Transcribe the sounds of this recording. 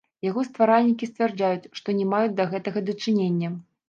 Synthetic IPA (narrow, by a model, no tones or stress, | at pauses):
jaɣɔst̪vaɾalʲnʲikʲistt͡s̪ʲvʲɛrd͡ʐajut͡sʲʂt̪ɔnʲɛmajud͡zʲd̪ɐɣɛt̪ɐɣɐd̪ɐt͡ʂɨnʲenʲːɐ